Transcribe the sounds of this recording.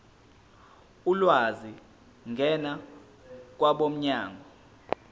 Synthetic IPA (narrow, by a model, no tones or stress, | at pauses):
ulwazi | ŋɡʱɛna | k̬waɓom̩ɲaːŋʱɔ